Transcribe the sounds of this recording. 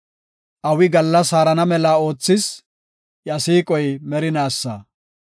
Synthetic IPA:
ʔɐwɪɡɐlːɐsaːɾɐnɐmɛlao̞ːt͡sːɪs | jɐsiːkʼɔjmɛɾɪnaːsːɐ̰

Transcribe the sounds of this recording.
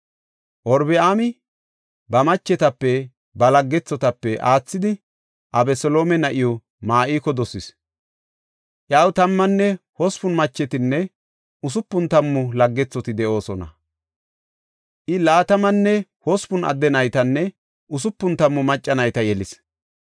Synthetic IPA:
ʔɔɾbɛaːmɪ | bɐmɐt͡ʃːɛt̪ɐpːɛ | bɐlɐɡːɛt͡sːɔt̪ɐpːɛʔaːt͡sːɪd̪ɪ | ʔɐbɛsɔlo̞ːmɛnɐʔɪjɔ | maːʔiːkɔd̪ɔsɪs | ʔjawt̪ɐmːɐnːɛhɔspʊnmɐt͡ʃːɛt̪ɪnːɛ | ʊsʊpːʊnt̪ɐmːʊlɐɡːɛt͡sːɔt̪ɪd̪ɛʔo̞ːsɔnɐ̰ | ʔɪlaːt̪ɐmɐnːɛhɔspʊnɐ̰d̪ːɛnɐjt̪ɐnːɛ | ʔʊsʊpːʊnt̪ɐmːʊmɐt͡ʃʼːɐnɐjt̪ɐjɛlɪs

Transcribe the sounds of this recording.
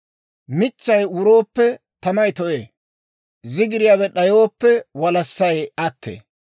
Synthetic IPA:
mɪt͡ʃːɐjwʊɾo̞ːpːɛ | t̪ɐmɐjt̪ɔʔḛː | zɪɡɪɾɪjabɛɗɐjoːpːɛwɐlɐsːɐjɐt̪ːḛː

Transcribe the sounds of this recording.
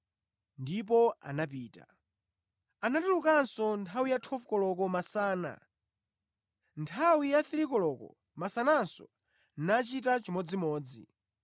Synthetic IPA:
ndip̬ɔa̰napiːta̰ | anatulukansɔntʰawijatʰɔfkɔlɔkɔmasaːna̰ | ntʰawijaθiɾikɔlɔkɔ̰ | masanansɔ̰ | nat͡ʃitat͡ʃimɔd͡zimɔːd͡zḭ

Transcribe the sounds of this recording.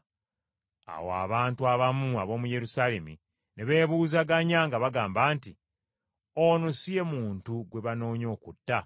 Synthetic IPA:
a̰woa̰βaːntuaβamuaβo̞ːmuje̞ɾusale̞mi | neβe̞ːβuːzaɡaɲaŋɡaβaɡaːmbaːnti | onosije̞muːntuɡwe̞βano̞ːɲo̞ːkutːa

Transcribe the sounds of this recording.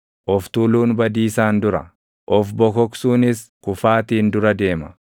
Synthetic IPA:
ʔɔft̪uːluːnbɐd̪iːsaːnd̪ʊɾɐ̰ | ʔɔfbɔkɔksuːnɪskʊfaːt̪iːnd̪ʊɾɐd̪e̞ːmɐ̥

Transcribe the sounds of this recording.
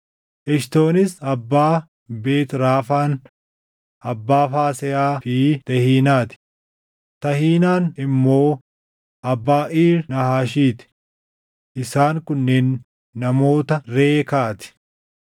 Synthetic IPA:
ʔɛʃt̪o̞ːnɪsɐbːaː | be̞ːt̪ɾaːfaːn | ʔɐbːaːfaːsɛjaːfit̪ɐhiːnaːt̪ɪ̥ | t̪ɐhiːnaːnɪmːo̞ː | ʔɐbːaːʔiːɾnɐhaːʃiːt̪ɪ̥ | ʔɪsaːŋkʊnːeːnː | ɐmo̞ːt̪ɐɾeːkaːt̪ɪ̥

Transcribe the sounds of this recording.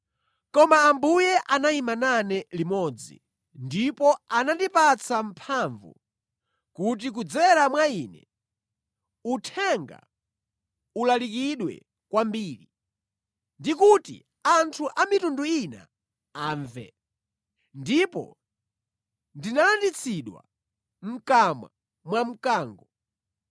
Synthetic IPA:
kɔmaːmbujɛʔanaimananɛlimɔd͡zḭ | ndipɔanandipat͡sʰam̩pʰaɱvṵ | kut̬ik̬ud͡zɛɾamwaiːnɛ̰ | utʰɛŋɡa̰ | ulalik̬iɗwɛ̰ | kwambiːɾi | ndikutḭ | antʰuʔamitunduina̰ | aːɱvɛ̰ | ndipɔ̰ | ndinalandit͡sʰiɗwa̰ | m̩kama̰ | mwam̩kaːŋɡɔ

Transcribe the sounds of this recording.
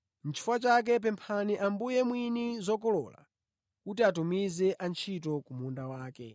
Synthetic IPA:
n̩t͡ʃʰi̥fwat͡ʃak̬ɛp̬ɛmpʰaniʔambujɛmwinizɔkɔlɔ̰la̰ | kutiatumizɛʔant͡ʃʰitɔkumundawaːkɛ̰

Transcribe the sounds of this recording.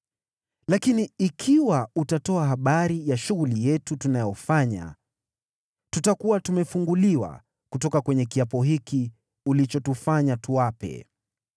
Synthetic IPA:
lakiniikʰiwautatɔaɦaɓaɾijaʃuɣulijɛtutunajɔfaɲa̰ | tutakuwatumɛfuŋɡuliwa̰ | kutɔkakwɛɲɛkiapɔɦiki | ulit͡ʃɔtufaɲatuwapɛ̰

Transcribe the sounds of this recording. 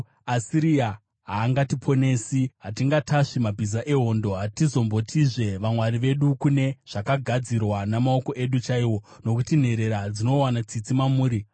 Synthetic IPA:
asiɾia | ɦaːŋɡatipʰo̞ne̞ːsiɦatiŋɡatʰaʂimabʱizaʔeɦo̞ːndo̞ɦatizo̞mbo̞tʰiʐe̞ʋamwaɾiʋe̞ɗukune̞ʐ̥akaɡʱad͡zirwanamao̞ko̞ʔe̞ɗut͡ʃaiwo̞ | no̞kutin̤e̞ɾe̞ɾad͡zino̞wanat͡sit͡simamuːɾi

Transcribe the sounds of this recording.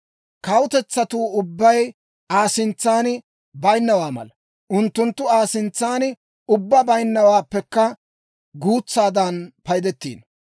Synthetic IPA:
kɐwʊt̪ɛt͡sːɐt̪uːʊbːɐj | aːsɪnt͡sːaːn | bɐjnːɐwaːmɐ̰lɐ | ʔʊnt̪ːʊnt̪ːʊaːsɪnt͡sːaːn | ʊbːɐbɐjnːɐwaːpːɛkːɐ | ɡuːt͡sːaːd̪ɐnpɐjd̪ɛt̪ːḭːn

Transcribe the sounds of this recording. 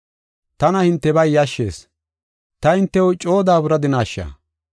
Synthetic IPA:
t̪ɐnɐhɪnt̪ːɛbɐjːɐʃːe̞̰ːs | t̪ɐhɪnt̪ːɛwʊt͡ʃʼo̞ːd̪aːbʊɾɐd̪ɪnaːʃːɐ̰ː

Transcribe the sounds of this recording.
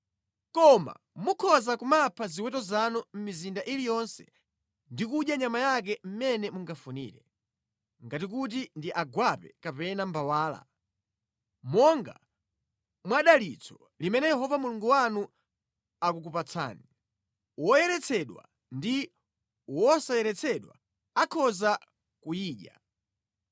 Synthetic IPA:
kɔma̰ | mukʰɔzakumapʰaziwɛtɔzanum̩mizindaʔilijɔnsɛ̥̰ | ndikuʄjaɲamajak̬ɛm̩mɛnɛmuŋɡafunḭːɾɛ | ŋɡatik̬ut̬indiʔaɡwapɛ̰kapɛnambawaːla̰ | mɔŋɡa̰ | mwaɗalit͡sʰɔ | limɛnɛjɛɦɔvamuluŋɡuwanu | akuk̬upat͡sʰa̰ːni | wɔjɛɾɛt͡sʰɛɗwa̰ | ndi | wɔsajɛɾɛt͡sʰɛɗwa̰ | akʰɔza | kujiːɗa

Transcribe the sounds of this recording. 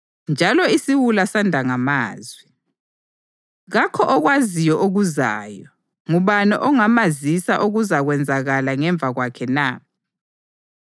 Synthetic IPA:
nd͡ʒʱalɔisiwulasandʱaŋamaːzwi | ɣakʰɔʔɔɣwazijɔʔoɣuza̰ːjɔ | ŋuβanɔʔɔŋamazisaʔuɣuzaɣwɛnd͡zʱaɣalaŋɛɱb̪vʱaɣwakʰɛna

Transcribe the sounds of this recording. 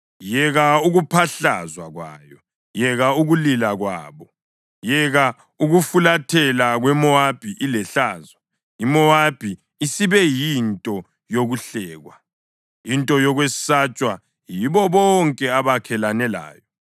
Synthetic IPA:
jɛɣauɣupʰaɬa̰zwaɣwa̰ːjɔ | jɛɣauɣulilaɣwa̰ːβɔ | jɛɣa | uɣufulatʰɛlaɣwɛmɔab̥ʱiʔilɛɬaːzwa | imɔab̥ʱi | isiβɛjintʼɔ | joɣuɬɛːɣwa | intʼɔjɔɣwesi̥sat͡ʃʼwa | jiβɔβɔŋkʼɛaβakʰɛlanɛla̰ːjɔ

